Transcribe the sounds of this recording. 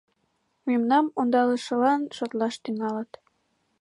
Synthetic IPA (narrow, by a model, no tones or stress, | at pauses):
memnɑmond̪ɑlɤ̆ʃɤ̆lɑnʃɤ̆t̪lɑʃt̪ynɑlɤ̆t̪